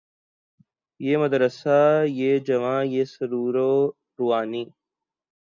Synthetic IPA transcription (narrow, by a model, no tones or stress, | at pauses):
jeːməd̪ɾəsajeːd͡ʒɐʋãːjeːsɐɾuːɾoː | ɾuaːniː